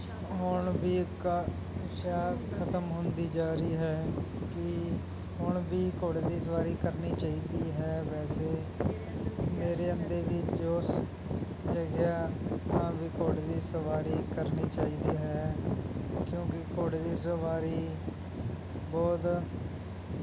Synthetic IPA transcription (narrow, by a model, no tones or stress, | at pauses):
ɦʊɳbiːk | kjaːkʰət̪əmɦʊnd̪iːd͡ʒaːɾiːɦɛː | kɪ | ɦʊɳbiːkoːɽeːd̪iːsəʋaːɾiːkəɾniːt͡ʃaːiːd̪iːɦɛːʋɛːseː | meːɾeːənd̪eːbiːd͡ʒoːs | d͡ʒəɡjaːãːʋiːkoːɽed̪iːsəʋaːɾiːkəɾniːt͡ʃaːiːd̪iːɦɛː | kjõːkɪkoːɽeːd̪iːsəʋaːɾiː | bɔːt̪